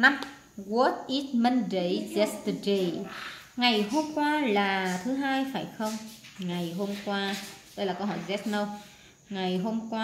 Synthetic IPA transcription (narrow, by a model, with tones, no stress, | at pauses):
na˧m | ɣo˦˥t̪̚ʔi˦˥t̪̚mə˧ndə˨˩jzɛ˦˥st̪de˨˩ŋa˨˩jɦo˧mkwaː˧laː˨˩t̪ʰɨ˨˦ɦaː˧jfaː˧˩jxə˧wŋ͡mŋa˨˩jɦo˧mkwaː˧ɗə˧jlaː˨˩kə˧wɦɔ̰˧˩˨jzɛ˦˥t̚nə˧w | ŋa˨˩jɦo˧mkwaː˧